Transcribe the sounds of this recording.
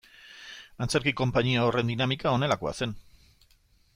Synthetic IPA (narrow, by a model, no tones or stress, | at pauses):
ant͡seɾkiko̞mpaɲiao̞re̞nd̪inamikao̞ne̞lako̞a̰se̞n